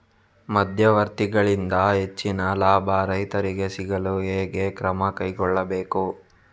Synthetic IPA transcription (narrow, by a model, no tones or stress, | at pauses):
mɐd̪ʱjɐʋɐɾt̪iɡɐɭind̪ɐɦet͡ʃːinɐlaːbʱɐɾɐɦjt̪ɐɾiɡe̞siɡɐlueːɡe̞kɾɐmɐkɐjɡɔɭːɐbe̞ːku